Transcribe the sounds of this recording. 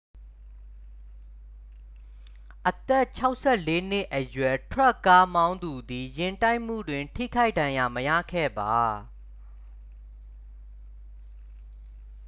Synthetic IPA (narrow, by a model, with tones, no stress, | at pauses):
ʔət̪ɛ˦˨t͡ɕʰa˦ʊʔsʰɛ˦˨le˦n̥ɪ˦ʔʔəjwɛ˨tʰwɛ˦˨kːa˦mã˦ʊ̃nd̪u˨d̪i˨jɪ̃˨nta˦ɪʔm̥ṵ˦˨dwɪ̃˨ntʰḭ˦˨kʰa˦ɪʔdã˨ja˨məjä̰˦˨kʰɛ̰˦˨ba˨